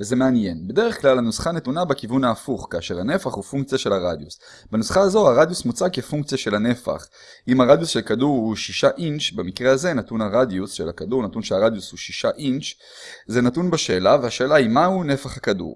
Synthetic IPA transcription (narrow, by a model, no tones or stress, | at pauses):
ze̞meanje̞nbe̞d̪e̞ʁeχklalanusχanetunabekivunaːfuχkaːʃe̞ʁhane̞faχhufuŋk̚t͡sijaʃe̞laʁad̪jus | benusχaːzo̞haʁad̪jusmut͡sakefuŋkt͡sijaʃe̞lhane̞fa̰χ | imaʁad̪jusʃe̞lkaduʁhuʃiʃaʔinʃbamikʁe̞aze̞natunhaʁad̪jusʃe̞̰lhakaduʁnatunʃeaʁad̪jushuʃiʃaʔint͡ʃ | ze̞natunbaʃe̞ːlavehaʃe̞ːlaimahune̞faχhakadṵʁ